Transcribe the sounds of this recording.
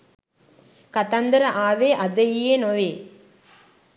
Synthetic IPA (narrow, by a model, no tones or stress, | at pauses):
kɐt̪ɐnd̪ɐɾɐʔaːʋeːʔɐd̪ɐjjeːnoʋeː